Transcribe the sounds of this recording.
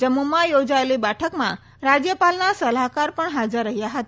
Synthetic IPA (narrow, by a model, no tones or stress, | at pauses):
d͡ʒəmumãjod͡ʒaelibɛʈʰəkmã̰ | ɾad͡ʒjəpalnasəlakaɾpəɳɦad͡ʒəɾːəɦijaɦət̪a